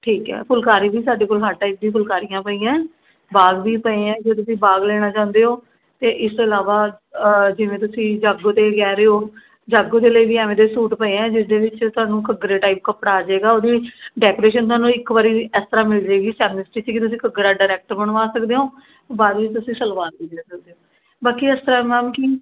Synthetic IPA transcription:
ʈʰiːkɦɛ̰ːpʰʊlkaːɾiːbiːsaːɖeːkoːlɦaːʈaːip̚d̪ĩːpʰʊlkaːɾijãːpəiːãː | baːɡʋiːpəẽːɛ̃ːd͡ʒoːt̪ʊsĩːbaːɡleːɽ̃aːt͡ʃãːʊ̃nd̪eːɦoː | t̪eːʔɪst̪oːɪlaːʋaː | d͡ʒɪʋẽːt̪ʊsĩːd͡ʒaːɡoːt̪eːkɛːɾeːɦoː | d͡ʒaːɡõːd̪eːləiːʋiːɛːʋẽːd̪eːsuːʈpəẽːɛ̃ːd͡ʒɪsd̪eːʋɪt͡ʃt̪ʊɦaːnũːkəɡɾeːʈaːɪːp̚kəpɽaːd͡ʒaeːɡaːoːd̪iːɖɛːkoːɾeːʃ̬ənt̪ʊaːnũːɪkʋaːɾiːɛst̪əɾaːmɪld͡ʒaːɡiːsɛːmɪnɪsʈiːt͡ʃəkɪt̪ʊsĩːkəɡɾaːɖaːɾɛːk̚ʈəɾbəɳʋaːsəkd̪eːɦoː | baːd̪ʋɪt͡ʃt̪ʊsĩːsəlʋaːnbiːd͡ʒ̪eːsək̚d̪eːɦoː | baːkiːɛst̪əɾaːmɛːmki

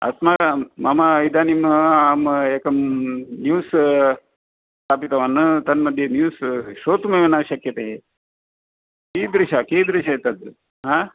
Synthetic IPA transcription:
ɐ̰smamɐmaid̪aːnimɦɐaːmeːkɐmnjuːs | st̪aːpit̪ɐʋanːɨt̪ɐnmɐd̪ʱjenjuːsʃoːt̪mɐʋenaːɕɐkjɐt̪ɐɦe | kiːd̪ɾiʃakeːd̪ɾiʃait̪ɐd̪ | ɦaː

